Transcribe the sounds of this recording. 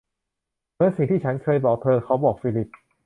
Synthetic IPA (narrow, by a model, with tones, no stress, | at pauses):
mɯ˦˥ənsi˨˩ŋt̪ʰiː˥˩t͡ɕʰa˦˥nkʰɤː˧jbɔː˨˩k̚t̪ʰɤː˧kʰa˦˥wbɔː˨˩k̚fiː˧li˨˩p̚